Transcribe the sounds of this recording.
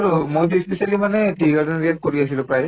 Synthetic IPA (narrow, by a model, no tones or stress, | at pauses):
aɹumojt̬uspisalimanɛtiɡazɔniat̚koɹiasilʊ̃pɹaj